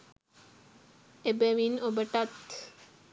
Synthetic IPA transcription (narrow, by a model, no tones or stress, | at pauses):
ebəʋinobəʈat̪